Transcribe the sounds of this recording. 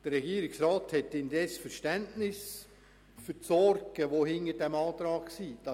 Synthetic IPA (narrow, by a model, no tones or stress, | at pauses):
d̥ərɛɡiːəɾɪksraːthɛtːɪndɛsfəɾʃtɛntnɪs | fʏɾtsɔɾɡ̥əʋohɪnədɛmɑːt̪ɾɑːksiːd̥ɑ